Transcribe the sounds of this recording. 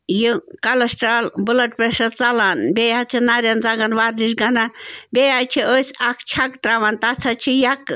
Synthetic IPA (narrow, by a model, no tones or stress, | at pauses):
jikɐlɐsʈɾalbulɐʈ̚peʃɐt͡sɐlaːnbʲejat͡ʃʰinaɾjɐnd͡zɐɡɐnʋaːɾd̪iʃ̬ɡɐnabʲejat͡ʃʰiʔosakʰt͡ʃʰɐkt̪ɾaʋant̪at͡sʰɐt͡ʃʰijɐk